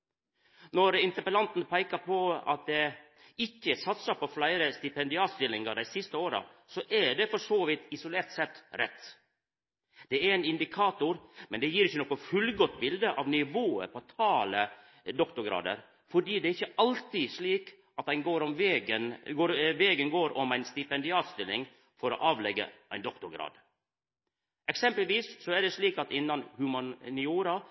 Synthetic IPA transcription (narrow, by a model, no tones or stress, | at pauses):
nɔɾɪnt̪əɾpəlɑnt̪n̩pʰæɪkəɾpʰɔɑ̰t̪̚d̪ɛ | ɪçːəsɑt̪səpʰɔflæɪɾəst̪ɪpɛnd̪ɪɑːt̪st̪ɪlːɪŋɑɖæɪsɪst̪əoːɾɑ̰sɔʔɛɖɛfɔʂoːʋɪt̪ɪsʊleːɾt̪sɛt̪ːɾɛ̰t̪ː | d̪̥ɛæɾɛɪnɪnd̪ɪkʰɑːt̪ʊɾmɛnd̪ɛjiːɾɪçːənɔːkːɔfʉlɡɔt̪ːbɪld̪əʔɑʋnɪʋoːə̰ɾpʰɔt̪ʰɑːlə | d̪ɔkt̪ʊɾɡɾɑ̰ːd̪ə̰ɾ | fɔɖiːd̪ɛæɾɪçːəɑlt̪ɪsliːk | ʔɑt̪æɪnɡoːɾɔmʋeɡənoːʋɛɡənɡoːɾɔmæɪnst̪ɪpɛnd̪ɪɑːt̪st̪ɪlɪŋ | fɔɾo̰ʔɑːʋlɛɡːə̰ʔæɪnd̪ɔkt̪ʊɾɡɾɑ̰ːd̪ | ʔɛksɛmpəlʋiːssɔæɖɛsliːkɑt̪ɪnːɑnhʉmɑnnɪuːɾɑ